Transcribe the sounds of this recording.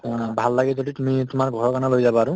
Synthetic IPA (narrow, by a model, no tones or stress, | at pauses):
bʱalːaɡɛzoditumitumaɹɡʱɔɹɔkanalojzabɔaɹʊ